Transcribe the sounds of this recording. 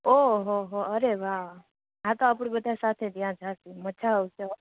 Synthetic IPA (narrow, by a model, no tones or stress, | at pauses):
oɦoɦoəɾeʋa | ɦãt̪oap̬ɽ̃bət̪asat̪ʰed̪ijãd͡zʱat̪imət͡ʃʰaowsɔ